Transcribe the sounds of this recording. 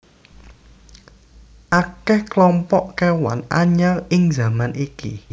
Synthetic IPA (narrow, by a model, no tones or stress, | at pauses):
ʔakɛhklɔmpɔʔkewa̰naɲalɪŋza̤manʔikḭ